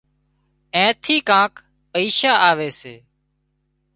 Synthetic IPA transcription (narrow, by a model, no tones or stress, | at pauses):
ẽːt̪ʰiːkãːk | pəiːʃaːʔaːʋeːseː